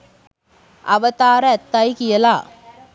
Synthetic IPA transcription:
ɐʋɐt̪aːɾɐɛt̪ːaːjkɪjɐlaː

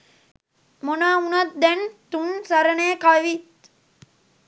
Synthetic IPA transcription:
monaːunət̪̚d̪ɛnt̪unsaɾəɳeːkaʋit̪̚

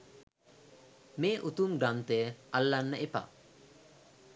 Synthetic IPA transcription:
meʔut̪umɡant̪ealːanːəʔipa̰

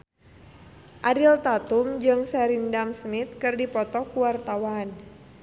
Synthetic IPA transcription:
ʔadilt̪at̪umd͡ʒɨŋsɛɾindamsmit̪̚kɨrdipɔt̪ɔkuwart̪awan

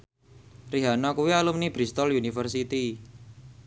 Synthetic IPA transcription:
riɦanɔkuwialumnib̥ɾist̪ɔlunifərsit̪i

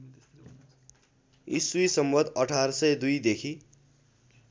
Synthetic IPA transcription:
ḭsuisʌmbʌd̪ʌʈʰaɾʌsʌjd̪ujd̪ekʰi

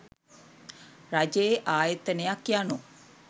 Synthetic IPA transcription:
rad͡ʒejeʔaːjət̪ənejakjano

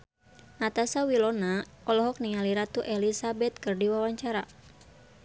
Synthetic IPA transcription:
nat̪asawilɔna | ɔlɔɦɔk̚niŋaliɾat̪uʔɛlisabɛt̪̚kɨrdiwawaɲt͡ʃaɾa

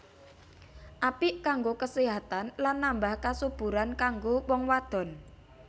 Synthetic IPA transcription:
ʔapiʔkaŋɡokəseɦat̪anlanːambahkasub̥ṳɾankaŋɡowɔŋwad̪̥ɔ̤n

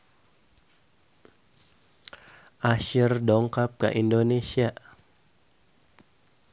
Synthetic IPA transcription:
ʔaʃɪrdɔŋkap̚ka̰ʔindonesia

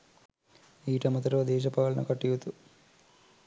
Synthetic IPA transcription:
iːʈɐmɐt̪ɐɾoːd̪eːʃ̬ɐpaːlɐnɐ̰kɐʈːiʋut̪u

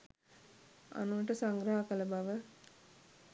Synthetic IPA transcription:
a̰nuʋɐʈəsaŋɡɾaɦakələbaʋə

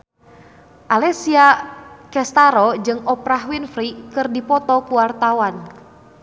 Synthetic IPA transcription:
ʔalɛsiakɛst̪aɾɔd͡ʒɨŋɔpɾaɦwinfɾikɨrdipɔt̪ɔkuwart̪awan

